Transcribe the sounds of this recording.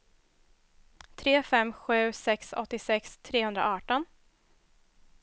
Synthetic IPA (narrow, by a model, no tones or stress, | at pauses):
t̪ʰɾeːfɛmːɧʉ̟ːsɛksɔ̰t̪ːɪsɛkst̪ʰɾeːhɵnd̪ɾa̰ɑːʈɔn